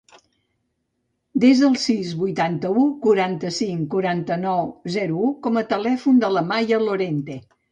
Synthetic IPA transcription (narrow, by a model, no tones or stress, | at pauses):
d̪ezðəlˠsizβujt̪ant̪əukuɾant̪əsiŋkuɾant̪ənɔwzɛɾuukɔmət̪əlɛfund̪ələmajəloɾent̪e